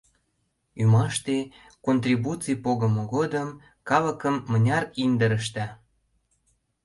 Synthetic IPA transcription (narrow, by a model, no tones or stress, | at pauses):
ymɑʃt̪e | kont̪rʲibut͡sijpoɣə̆moɣod̪əm | kɑlə̆kəmːənʲɑɾind̪əɾəʃ̬t̪æ